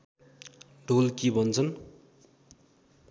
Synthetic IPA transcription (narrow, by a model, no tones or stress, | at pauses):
ɖʱolkibʱʌnt͡sʰʌn